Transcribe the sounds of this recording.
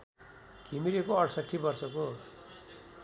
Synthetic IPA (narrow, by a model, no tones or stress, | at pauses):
ɡʱimiɾekoʌɽsʌʈʰːibʌrsʌko